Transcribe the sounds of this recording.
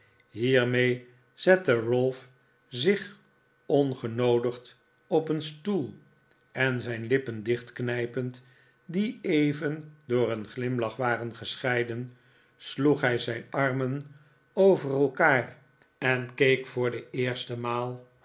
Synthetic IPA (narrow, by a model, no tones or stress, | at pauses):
ɦiːɹmej | z̥ɛtərɵlˠf | zɪχ | ɔnχənowdəχt | ɔpənstulˠ | ɛnzɛjnlɪpəndɪχtknɛjpənt | diejvəndʊːɾənχlɪmlɑχʋaːrənχəsχɛjdən | sluχɦɛjzɛjnɑɹmən | owvərɛlˠkaːr | ɛnkejkfʊːɹdəɪːɹstəmaːlˠ